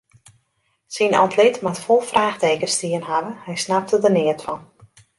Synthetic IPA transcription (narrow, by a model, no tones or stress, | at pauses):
sinɔ̰ntʰlɪtmatfolˠfraːxteːkəstiənɦavəhɛjsnap̚tədənɪətfɔn